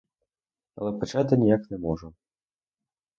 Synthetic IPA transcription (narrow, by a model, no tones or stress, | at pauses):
ɐ̰lɛpɐt͡ʃat̪ɨnʲijaknɛmɔʐu